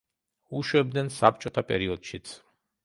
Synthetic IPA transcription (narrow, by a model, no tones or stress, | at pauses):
uʃwɛb̚d̪nɛnsap̚ʰt͡ʃʼɔt̪ʰapʼɛɾiɔd̪̥ʃit̪sʰ